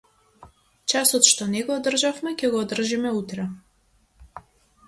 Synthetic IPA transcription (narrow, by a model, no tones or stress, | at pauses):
t͡ʃasɔt̪ʃt̪ɔnɛɡɔːd̪r̩ʒafmɛcʲɛɡɔːd̪r̩ʒimɛut̪ɾɛ